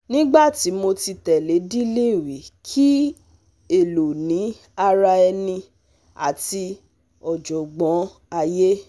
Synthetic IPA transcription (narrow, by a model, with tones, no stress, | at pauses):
nĩ˦ɡ͡ba˦˨ti˨˦mo˧ti˧tɛ˨le˨˦di˦lĩ˦˨wi˨kʰi˦ | e˦˨lo˨nĩ˨˦ | a˧ɾa˧ɛ˧nĩ˧ | a̰˦˨ti˧ | ɔ˨d͡ʒɔ˨ɡ͡bɔ̃˨˦ | a˧je˦